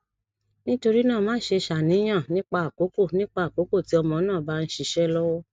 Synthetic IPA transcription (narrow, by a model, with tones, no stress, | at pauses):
nĩ˦to˧ɾi˦nãː˦˨mãː˨˦ʃe˧ʃa˨nĩ˨˦j̃ã˦˨nĩ˦k͡pa˧˨a˨ko˨˦ko˦˨nĩ˦k͡pa˧˨ko˨˦ko˦˨ti˨˦ɔ˧mɔ̃˧˦nãː˦˨ba˦n̩˦ʃi˧ʃɛ˦lɔ˦wɔ˦